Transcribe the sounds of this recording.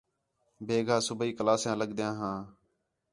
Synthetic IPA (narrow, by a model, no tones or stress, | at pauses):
bʱeːɡʱaːsʊbiːkəlaːsjãːləɡd̪jãːɦãː